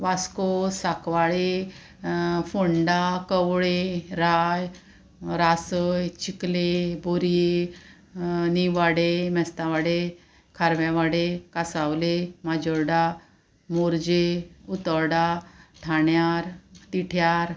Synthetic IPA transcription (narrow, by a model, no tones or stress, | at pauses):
ʋaskosakʋaɭe | foɳɖakəwɭeɾaj | ɾasəjt͡ɕikleboɾije | niʋaɽemɛst̪aʋaɽe | kʰaɾʋjaʋaɽekasawlemad͡ʑəɾɽa | moɾd͡ʑeut̪əɾɽaʈʰaɳjaɾt̪iʈʰjaɾ